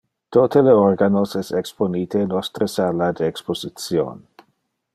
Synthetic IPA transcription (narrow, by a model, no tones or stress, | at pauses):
t̪ot̪eleorɡanosɛseksponiːt̪enost̪ɾəsalad̪eeksposit͡sjo̰n